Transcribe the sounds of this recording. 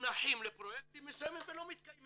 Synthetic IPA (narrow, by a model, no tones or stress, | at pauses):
nɐħiːmlɪpɾɔjɛt̪ːimɪsɛmːɪfɪlomjɪt̪̚kɐjm